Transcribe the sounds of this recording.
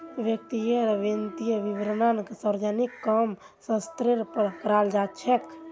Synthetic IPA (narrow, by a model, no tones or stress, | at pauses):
ʋjək̚t̪ijeɾʋint̪ijəʋibɾənanksəɾd͡ʒənikːəm | sə̃st̪ɾeɾpəɾkəɾald͡ʒat̪t͡ʃʰɛk